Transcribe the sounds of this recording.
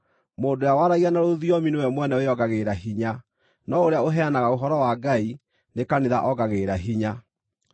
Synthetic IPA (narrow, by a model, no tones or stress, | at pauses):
moːndojawaɾaiɣanaɾoðiɔminewɛmwɛnɛojɔɡaɣeɾaɦiɲa | nɔoɾeaoɦɛanaɣaoɦɔɾɔwaɡai | nekaneða̰ʔɔɡaɣeɾaɦiɲa